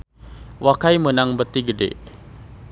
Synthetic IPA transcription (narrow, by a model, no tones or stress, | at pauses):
wakaimənaŋbət̪iɡədḛ